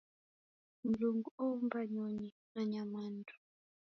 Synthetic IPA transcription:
m̩luŋɡuombaɲɔɲi | aɲamaːndu̥

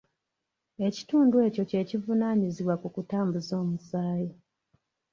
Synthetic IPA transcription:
e̞cituːndwe̞ːco̞ce̞civunaːɲiziβwakukutaːmbuzo̞ːmusaːji

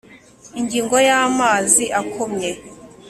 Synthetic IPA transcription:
iɲɟiːŋɡo̞jaːmaːziʔakʰomɲe

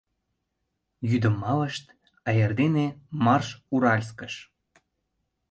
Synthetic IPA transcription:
jyd̪ə̆mːɑləʃt̪ | ɑjərd̪enemɑrʃuɾɑlʲs̬kəʃ

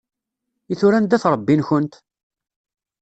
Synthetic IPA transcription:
iθuɾænd̪æθɾˤəbːinçʊnt̪

